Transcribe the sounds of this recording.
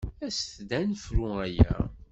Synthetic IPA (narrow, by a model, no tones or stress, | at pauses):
æsθd̪ænfɾuæjæ̰